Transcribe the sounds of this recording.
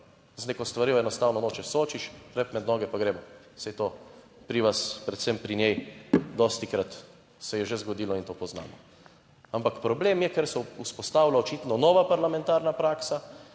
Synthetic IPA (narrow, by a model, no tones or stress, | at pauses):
znekɔst̪ʋaɾiwɛnɔst̪aːwnɔnoːt͡ʃɛsoːt͡ʃiʃɾɛpmɛd̪nɔːɡɛpaɡɾeːmɔ | sɛjt̪oː | pɾiʋaspɾɛt̪sɛmpɾinjɛjd̪ɔːst̪ikɾat̪ | sɛjɛʒezɡɔd̪iːlɔint̪oːpɔzna̰ːmɔ | ampakpɾɔbleːmjɛkɛɾsɔuspɔst̪aːwlaɔt͡ʃiːt̪nɔnɔːʋapaɾlamɛ̃nt̪aːɾnapɾaːksa